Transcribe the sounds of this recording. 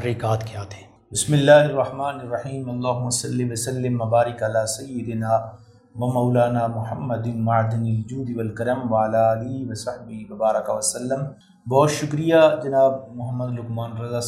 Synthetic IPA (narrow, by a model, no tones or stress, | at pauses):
ɾiːkaːt̪kijaːt̪e̥ː | bɪsmɪlːaːɦɪrˤːɐħmaːnɪrˤːɐħiːmɐlˤːaːɦʊmːɐsɐlːiʋɐsɐlːɪmːɐbaːɾɪkɐlaːsɐjːɪd̪ɪnaː | ʋɐmɐːlaːnaːmʊħɐmːɐd̪ɪnmɐʕd̪ɪnɪld͡ʒuːd̪iʋɐlkɐɾɐmʋɐalaːlɪɦiʋɐsɐħbɪɦiʋɐbaːɾɐkɐʋɐsɐlːɐm | bɔːt̪ʃʊkɾijad͡ʒɐnaːbmʊɦɐmːɐd̪lʊkmaːnɾɐzaː